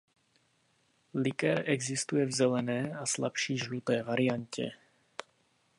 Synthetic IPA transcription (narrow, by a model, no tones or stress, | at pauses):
lɪkɛɾʔɛɡzɪst̪ujɛvzɛlɛnɛːasla̰pʃiːʒlut̪ɛːvaɾɪaɲcʰɛ̰